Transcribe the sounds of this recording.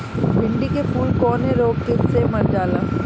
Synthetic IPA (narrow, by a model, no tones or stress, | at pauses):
bʱɪ̃ɳɖikepuːlkɔːneɾoːɡkɪssemɐɾd͡ʒaːlaː